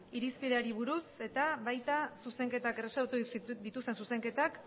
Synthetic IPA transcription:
iɾispiðeaɾiβ̞uɾuse̞t̪aβajt̪asuse̞ŋke̞t̪akeresaɾt̪ud̪it̪ust̪e̞nsuse̞ŋke̞t̪ak

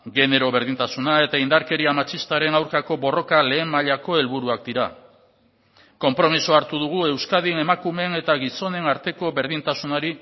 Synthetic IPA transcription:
ɣe̞ne̞ɾo̞βe̞ɾðint̪asunae̞t̪aind̪aɾke̞ɾiamat͡ʃist̪aɾe̞nawɾkako̞bo̞ro̞kale̞ːmmːaʎako̞e̞lβuɾuak̚d̪iɾa | ko̞mpɾo̞misoaɾt̪uðuɣ̞ue̞wskað̞ine̞makume̞ne̞t̪aɣiso̞ne̞naɾt̪e̞ko̞βe̞ɾðint̪asunaɾi

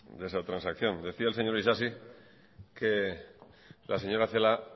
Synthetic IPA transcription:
d̪esat̪ɾansakθjo̞nd̪e̞θiaelse̞ɲo̞ɾisasi | ke | lʔaseɲo̞ɾaθela

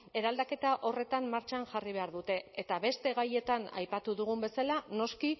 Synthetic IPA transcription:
e̞ɾald̪ake̞t̪aʔo̞re̞t̪amːaɾt͡ʃanʝariβ̞e̞aɾðut̪e̞et̪aβe̞st̪e̞ɣaje̞t̪ana̰jpat̪uðuɣ̞umbe̞salano̞ski

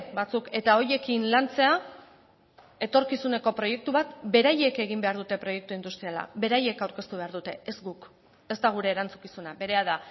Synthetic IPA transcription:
bat͡suke̞t̪ao̞je̞kinlant͡se̞a | e̞t̪o̞ɾkisune̞ko̞pɾo̞je̞k̚t̪uβat̪be̞ɾaje̞ke̞ɣ̞imbe̞aɾðut̪e̞pɾo̞je̞k̚t̪uind̪ust̪ɾiala̰be̞ɾaje̞kawɾke̞st̪uβe̞aɾðut̪e̞ezɡuk | e̞st̪aɣ̞uɾe̞ːɾant͡su̥kisunabe̞ɾe̞að̞a

